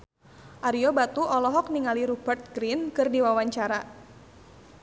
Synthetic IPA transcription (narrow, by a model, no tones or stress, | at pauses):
ʔaɾiɔbat̪uʔɔlɔɦɔk̚niŋaliɾub̥ərt̪̚ɡɾinkɨrdiwawaɲt͡ʃaɾa